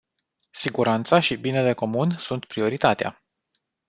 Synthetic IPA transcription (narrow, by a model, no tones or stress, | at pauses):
siɡuɾant̪saʃibine̞le̞ko̞munsunt̪pɾio̞ɾit̪at̪ea̰